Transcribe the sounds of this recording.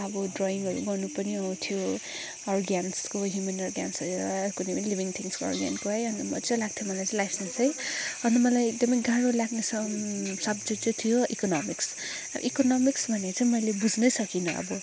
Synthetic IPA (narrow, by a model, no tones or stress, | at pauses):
ʌbʌdrɔiŋʌɾṵɡʌrnupʌniʌw̃t̪ʰijo | ɔrɡanskoɦjumʌnɔrɡjansʌjɾʌkunepʌnilibiŋt̪ʰiŋskoɔ̰rɡja̰nkoɦʌjʌnt̪ʌmʌ̰t͡sʌlaɡ̚t̪ʰjomʌlajt͡sʌ̃jlajsʌnsʌjɦʌnd̪ʌmʌlajekd̪ʌmʌjɡãɽolaɡnesʰʌsʌbd͡zit͡sʌt̪ʰijoʔikonɔmiks | ʌ̰bʌ̰ʔikonʌmiksbʱʌnet͡sʌ̃ĩmʌjlebud͡znʌjsʌkinʌʌ̰bʌ